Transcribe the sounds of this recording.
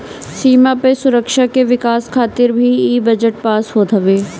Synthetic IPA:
siːmapesʊɾəkʃakeʋɪkaːskʰaːt̪ɪɾbʱiiːbɐd͡ʒəʈ̚paːsɦod̪ʰʱɐʋeː

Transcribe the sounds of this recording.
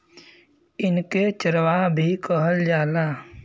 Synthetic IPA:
ɪnket͡ʃəɾwabʱikəɦəld͡ʒaːlaː

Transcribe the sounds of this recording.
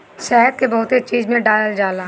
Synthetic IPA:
sɛːɦt̪̚kebɔːʊt̪et͡ʃiːzmẽɖaːləld͡ʒaːlaː

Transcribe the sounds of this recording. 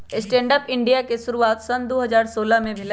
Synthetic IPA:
ɪsʈẽːɳɖəpɪ̃ɳɖijakesʊɾuaːt̪sɐnd̪oːɦɐzaːɾsoːlamẽbʱɪl

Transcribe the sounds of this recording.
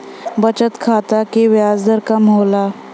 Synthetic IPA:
bət͡ɕət̪kʰat̪akiʋjad͡zd̪əɾkamɦola

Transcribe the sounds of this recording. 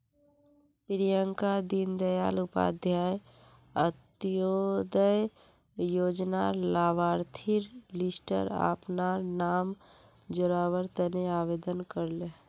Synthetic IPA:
pɾijəŋkad̪ind̪əja̰ːlʊpa̰ːd̪ʱjaːj | ət̪jod̪əj | joːd͡ʒnalaːʋaːɾt̪ʰiɾlɪsʈə̰ɾa̰ːpnaːɾnaːm | d͡ʒoɾaːʋəɾt̪əneaːʋeːd̪ənkəɾle

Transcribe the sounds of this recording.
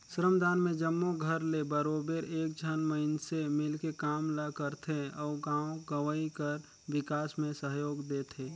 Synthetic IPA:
sɾəmd̪aːnmẽd͡ʒəmːoɡʱəɾlebəɾoːbeɾeːk̚d͡ʒʱənməɪnsemɪlkekaːmlakəɾt̪ʰeɔːɡãːoɡəʋəikəɾ | wɪkaːsmẽsəɦjoːɡd̪eːt̪ʰeː

